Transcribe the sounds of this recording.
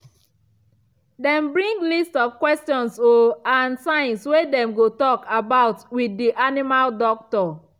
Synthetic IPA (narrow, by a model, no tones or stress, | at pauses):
dɛ̃mbɹĩŋɡlistɔv̥kwɛstɔ̃nsoãnsãɪ̃nswedɛ̃mɡotɔkabaʊtwidːiʔanimaldɔk̚tɔ